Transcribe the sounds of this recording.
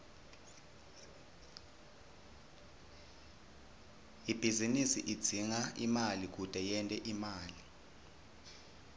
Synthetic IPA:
ib̥ʱizinisiʔid̥d͡z̥ʱiŋaḭmalik̬ud̥ʼʱɛjɛntʼɛʔimaːli

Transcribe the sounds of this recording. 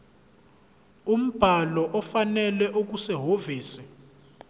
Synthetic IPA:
um̩b̥ʱalɔʔɔfanɛlɛʔok̬usɛɦoviːsɛ̥

